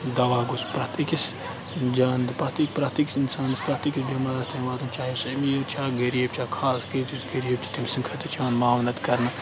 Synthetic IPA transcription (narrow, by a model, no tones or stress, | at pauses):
d̪ɐʋaːɡuspɾaːt̪ikis | d͡ʒaːnd̪ɨpɾat̪ikpɾaːt̪ikisinsaːnɐspɾaːt̪ikisbɐmɐɾɐst̪ʰɐmʋaːt̪umt͡ʃaːɦisɐmijet͡ʃʰaːɡɐɾeb̚t͡ʃʰaːkʰaːskɐt̪isɡɐɾieb̚t͡ʃ̪ʰi̥t̪imsĩŋkʰɐt̪it͡ʃʰaːnmaːʋnɐt̪kɐɾnɐ